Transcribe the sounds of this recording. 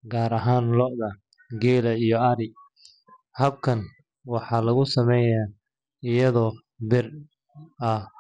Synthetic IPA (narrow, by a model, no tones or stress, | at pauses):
ɡaːɾɐɦaːnlɔʔðɐ | ɡɛːlɐijɔɐɾɪ | hɐb̚kʰɐn | wɑħɑlɐɣʊsɐmɛja | ɪjɐðɔː | bɪr | ɐ